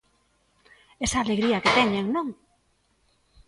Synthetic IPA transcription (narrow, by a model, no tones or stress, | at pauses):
esaːleɣɾiɐket̪ɛɲeŋnõŋ